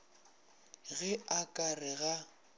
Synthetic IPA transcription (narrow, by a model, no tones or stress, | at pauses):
ɣɛakʼarɪɣa